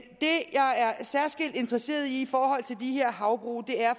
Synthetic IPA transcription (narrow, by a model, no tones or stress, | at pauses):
d̥e̝jɑ̈ɪæɐsæɐsɡ̥el̰d̥e̝nd̥ʁɐse̝̰ːɐð̞ˠiːfɒːhɒ̽l̰t͡sʰe̝ld̥iɦe̝ɐ̰ɦɑ̈ʊb̥ʁṵːd̥e̝æɐ